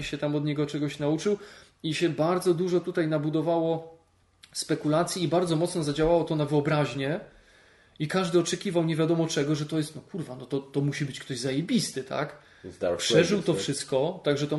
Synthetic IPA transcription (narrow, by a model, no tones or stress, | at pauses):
ɕɛt̪amɔd̪ɲɛɡɔt͡ʂɛɡɔɕnaut͡ʂɘw | iɕɛbaɾd̪zɔd̪uʐɔt̪ut̪ajnabud̪ɔvawɔ | spɛkulat̪sʲjiːbaɾd̪zɔmɔt̪snɔzad͡ʑawawɔt̪ɔnavɘɔbɾaʑɲɛ | ikaʐd̪ɘɔt͡ʂɛkʲivawɲevʲjad̪ɔmɔt͡ʂɛɡɔʐɛt̪ɔjɛst̪nɔkuɾvanɔt̪ɔt̪ɔmuɕibɘt͡ɕkt̪ɔʑzajebʲist̪ɘt̪a̰k̪ | pʂɛʐɘwt̪ɔfʂɘst̪̚kɔt̪aɡʐɛt̪ɔ